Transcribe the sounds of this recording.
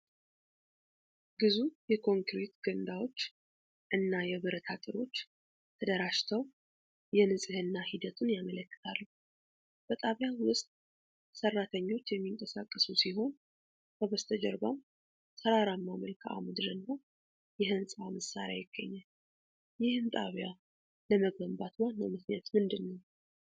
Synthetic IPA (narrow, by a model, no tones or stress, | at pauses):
ɡɨzujɛkʰo̞ŋkɾet̪ɡənd̪awo̞t͡ʃː | ʔɨnːajɛβɨɾət̪ʰat̪ʼɨɾo̞t͡ʃː | t̪ʰəd̪əɾaʃt̪ʰəw | jɛnɨsʼɨhɨnːahid̪ət̪ʰunjamələkːɨ̥t̪ʰalːə | b̥ət̪ʼaβjawʊst̪ʼ | sərːat̪ʰəɲːo̞t͡ʃːjɛmːiŋkʼəsa̰kʼːəsusiɦo̞n | kəβəst̪ʰəd͡ʒɛ̰ɾbam | səɾaɾamːaməlkʰʔa̰mɨd̪ɨɾɨnːa | jɛɦɨnsʼaməsːa̰ɾja̰jɪɡ̥ːə̰ɲːal | jɪhɨmt̪ʼaβja | ləməɡəmbat̪ʰwanːə̰mɨknjat̪mɨnd̪ɨnːəw